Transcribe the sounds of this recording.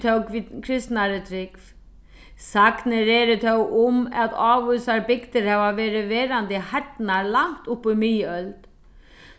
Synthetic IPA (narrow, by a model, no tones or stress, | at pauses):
t̪ʰœwkʰɾɪst̪naɾɪt̪ʰɾɪkf | saknɪɾɛːɾɪt̪ʰœwʔʊmæðɑːʋʊsaɾbɪkt̪ɪɾhɛvaʋɛːɾɪʋɛːɾand̪ɪhaʈ̪naɾlaŋ̥t̪ʊpːʏmɪjəœlt̪